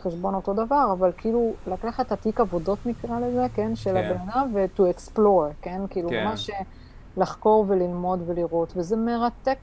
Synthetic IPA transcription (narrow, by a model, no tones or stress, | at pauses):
χeʃbo̞no̞to̞davaʁavalkiiːlulakaχet̪atikavo̞do̞tnikʁale̞ze̞kenʃe̞labenanavet̪ueksplo̞ʁke̞nkiiːlumaʃe | laχko̞ʁve̞lilmo̞dve̞liʁo̞t̪veze̞meʁat̪e̞k